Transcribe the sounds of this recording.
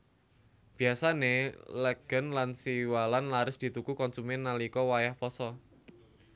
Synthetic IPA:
b̥i̤asanelɛɡ̥ə̤nlansiwalanlaɾʊsd̪̥i̤t̪ukukɔnsumɛnːalikɔwajahpɔsɔ

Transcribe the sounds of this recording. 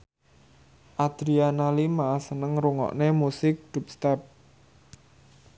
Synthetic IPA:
ʔad̪̥ɾianalimasənəŋɾuŋɔ̰ʔnemusɪk̚d̪̥ṳp̚st̪ɛp̚

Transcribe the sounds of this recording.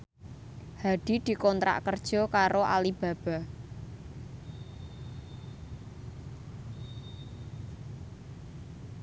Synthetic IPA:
haɖ̪̥i̤d̪̥i̤kɔnt̪ɾa̰ʔkərd̥ʒ̥ɔ̤kaɾoʔa̰lib̥a̤b̥a̤

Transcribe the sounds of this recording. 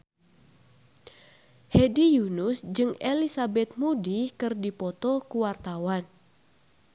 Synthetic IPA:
hedijunusd͡ʒɨŋelisabɛt̪̚mudikɨrdipɔt̪ɔkuwart̪awan

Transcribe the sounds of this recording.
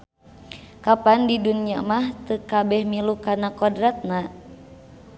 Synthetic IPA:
kapandidunia̰maht̪əkabɛhmilukanakɔdɾat̪̚na

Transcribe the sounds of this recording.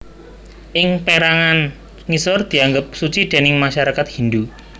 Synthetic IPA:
ʔɪŋpeɾaŋan | ŋisɔrd̪̥i̤aŋɡəp̚sut͡ʃid̪̥e̤nɪŋmaʃaɾakat̪̚hind̪u

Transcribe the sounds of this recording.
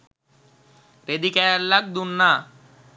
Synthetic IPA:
ɾed̪ikɛjallak̚d̪unːa

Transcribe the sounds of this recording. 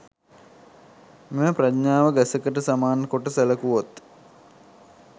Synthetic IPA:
meməpradɲaːʋəɡæsəkəʈəsamaːnəkoʈəsæləkuʋot̪

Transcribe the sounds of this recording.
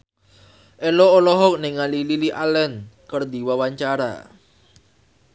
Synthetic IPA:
ʔeloːlɔɦɔk̚neŋalililiʔalɛnkərd̪i̤wawaɲt͡ʃaɾa̰

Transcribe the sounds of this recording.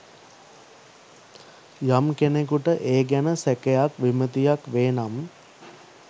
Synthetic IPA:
jamkenekuʈəʔeːɡænəsækejakʋimət̪ijakʋeːnam

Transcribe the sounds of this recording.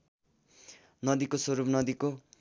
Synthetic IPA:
nʌd̪ikosoɾupnʌd̪iko

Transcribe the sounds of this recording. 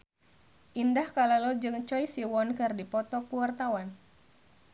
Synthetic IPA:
ʔindahkalalɔd͡ʒɨŋt͡ʃɔjsiwɔnkɨrdipɔt̪ɔkuwart̪awan

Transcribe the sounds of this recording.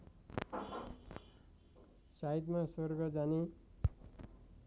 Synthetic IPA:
sait̪maswʌrɡʌd͡zane

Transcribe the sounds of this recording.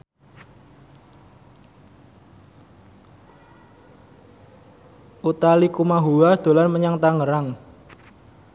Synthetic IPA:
ʔut̪alikumaɦuahd̪̥o̤lanməɲaŋt̪aŋəɾaŋ

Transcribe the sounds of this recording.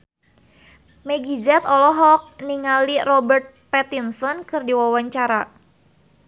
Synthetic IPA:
mɛɡid͡ʒɛt̪ɔlɔɦɔk̚niŋalirɔbərt̪̚pɛt̪insɔnkɨrdiwawaɲt͡ʃaɾa

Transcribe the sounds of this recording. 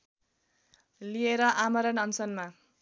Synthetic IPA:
lieɾʌʔamʌɾʌnʌnsʌnma

